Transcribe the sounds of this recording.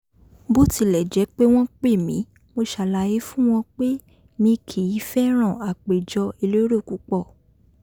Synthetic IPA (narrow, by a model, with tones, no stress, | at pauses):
bo˦ti˨˧lɛ˨d͡ʒɛ˨˦k͡pe˦w̃ɔ̃˦k͡pe˦˨mĩ˨˦ | mo˧ʃa˨˧˨la˨˧˦ji˦fũ˦w̃ɔ̃˧k͡pe˦ | mĩ˧kʰi˨i˨˦fɛ˦ɾ̃ã˦˨a˨k͡pe˨d͡ʒɔ˧i˧lo˦ɾo˦˨ku˨˦k͡pɔ˦˨